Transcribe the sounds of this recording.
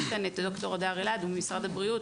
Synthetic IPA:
tanet̪do̞kto̞ʁad̪aʁelad̪umemisʁadabʁiut

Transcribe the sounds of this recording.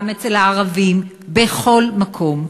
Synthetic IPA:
met͡selaːʁavim | beχo̞lmakʰo̞m

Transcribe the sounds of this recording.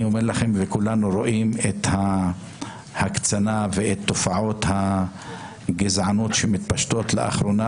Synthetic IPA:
iomeɾlaχe̞mvekulanuɾo̞ʔimet̪ha | hakt͡sanaveet̪ːo̞faʕo̞t̪ha | ɡezʕanot̪ʃemit̪paʃt̪o̞t̪lḛʔa̰χɾo̞na

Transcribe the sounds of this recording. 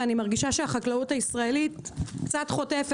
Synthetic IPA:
animaʁɡiʃaʃeaχaklautaisʁae̞litkt͡satχo̞tefe

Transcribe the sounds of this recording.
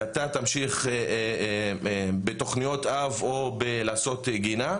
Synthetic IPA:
at̪at̪amʃiχe | bet̪o̞χnijo̞t̪avobelaːso̞t̪ɡina

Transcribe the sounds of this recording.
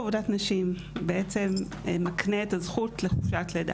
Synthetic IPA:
avodatnaʃim | beʔet͡se̞m | makneetazχutle̞χuʃatleda̰

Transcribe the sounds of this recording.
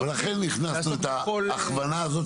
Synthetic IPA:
velaχenːiχnasnuet̪aːχvanaːzot̪

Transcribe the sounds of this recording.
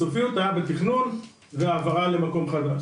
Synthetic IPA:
ofiut̪ajabet̪iχnun | veavaʁale̞mako̞mχad̪aʃ

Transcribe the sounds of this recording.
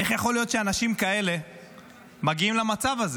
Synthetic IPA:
eχjaχo̞lijo̞t̪ʃeanaʃimkae̞le̞ | maɡiimlamat͡savaze

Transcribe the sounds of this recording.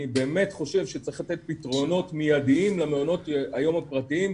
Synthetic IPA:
ibeːme̞tχo̞ʃe̞vʃet͡saiχlat̪et̪̚pitʁo̞no̞tmijadiimlameono̞t̪ajo̞mhapʁat̪iim

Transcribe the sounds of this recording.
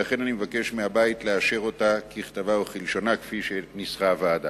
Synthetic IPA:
laχe̞nanimevake̞ʃmeabaitleaʃe̞ʁo̞takiχtavaoχilʃo̞nakfiʃenisχavaːda

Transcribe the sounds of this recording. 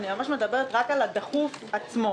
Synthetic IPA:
nimamaʃme̞d̪abe̞ʁet̪ʁakalad̪aχufat͡smo̞

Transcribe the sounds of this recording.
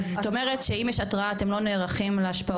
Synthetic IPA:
zt̪omeʁet̪ʃeimjeʃatʁaaːte̞mlo̞neːʁaχimleaʃpa

